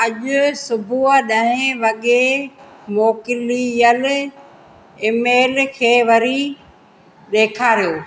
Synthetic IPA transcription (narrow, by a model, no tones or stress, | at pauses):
ɐʄʊsʊbʱuəɗɐ̃ɦɪ̃ʋɐɠe | moːkɪlijəl | ɪmeːlkʰeːʋɐɾi | ɗeːkʰaːɾijoː